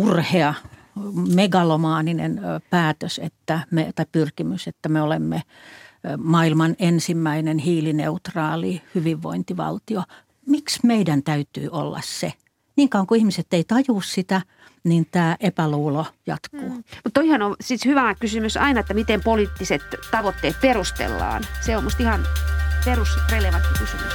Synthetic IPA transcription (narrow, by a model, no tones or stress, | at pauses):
urheɑ | meɡɑlomɑːninḛnpæːt̪øsḛt̪ːæmḛt̪ɑipyrkimyset̪ːæmeolemːe | mɑːilmɑnensimːæinenhiːlinḛut̪rɑːlihyʋiʋʋo̰int̪iʋɑ̰lt̪io | miksmeidænt̪æyt̪y̰ːʔolːɑ̰sse | niːŋkɑuŋkuihmiset̪ːeit̪ɑjuˑssit̪æ | nint̪æːʔepæluːlojɑ̰t̪kuːmut̪ːoihɑnosit̪hyʋæɑkysymysɑ̰inɑet̪ːæmit̪empoliːt̪ːiset̪t̪ɑʋot̪ːeːt̪̚perust̪ḛlːɑ̰ːnseommust̪ihɑnperusreleʋɑnt̪ːikysymys